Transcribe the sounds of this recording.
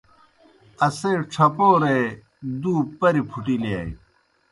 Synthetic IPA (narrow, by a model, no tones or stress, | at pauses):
ɐseːʈ͡ʂʰɐpoːɾe | d̪uːpɐɾipʰuʈileaːj